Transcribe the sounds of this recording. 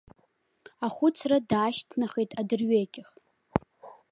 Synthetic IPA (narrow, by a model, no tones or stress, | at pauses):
aχʷʊt͡sʰradaːʃtʰnaχejtʼadɨrɥekʲʼɪχ